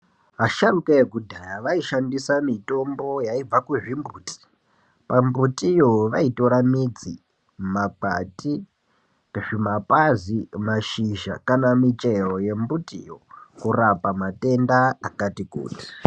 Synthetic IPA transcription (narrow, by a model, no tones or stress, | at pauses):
ɦaʃaɾukaekudʱajaʋaiʃandisamito̞mbo̞jaib͡vakuʐimbuːti̥ | pambutijoʋaitoɾamid͡zi | mak͡pa̰ti | eʐimapazimaʃiʒa̰kanamit͡ʃe̞ro̞je̞mbutijo̰kurapamate̞ndaakatikṵːti̥